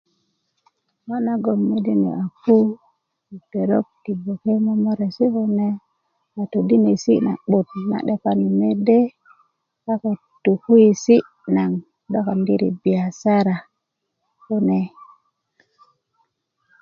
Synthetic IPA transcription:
ma˦na˦ɡo˨mːe˦de˦nḛ˨a˨ku˦ | i˨te˨ɾo̰˦k̚ti˨bo˨ke˦mo˦mo˦ɾe˨si˦ko˦ne˦ | a˨to˨di˦ne˨sḭ˦na̰˨ɓu˨t̚na̰˨ɗe˦ka˦ni˨me˦de˦ | ka˦ko˨ | tu˨ku˦ji˨si˦ | na˨ŋ | do˦ka˨ndi˦ɾḭ˨bi˨ja˨sa˦ɾa˨ | ko˦ne˨

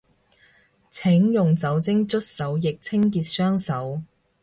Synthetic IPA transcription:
t͡sʰɪ˨˥ŋjʊ˨ŋt͡sɐ˨˥wt͡sɪ˥ŋt͡ʃɵ˥t̚sɐ˨˥wjɪ˨k̚t͡sʰɪ˥ŋk̬iː˧t̚sœː˥ŋsɐ˨˥w

